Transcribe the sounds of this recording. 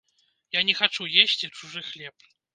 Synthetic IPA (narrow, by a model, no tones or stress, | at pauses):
janʲɛxat͡ʂujesʲt͡sʲit͡ʂuʐɨxlʲɛp